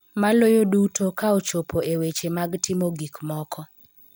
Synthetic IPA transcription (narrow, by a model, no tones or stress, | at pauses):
malojodutokaot͡ʃopʰoewet͡ʃemaɡtɪmoɡikmɔkʰɔ